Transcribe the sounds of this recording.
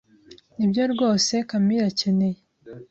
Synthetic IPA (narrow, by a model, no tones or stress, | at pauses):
nibjoɾɡo̞ːse̞kamiɾace̞ne̞je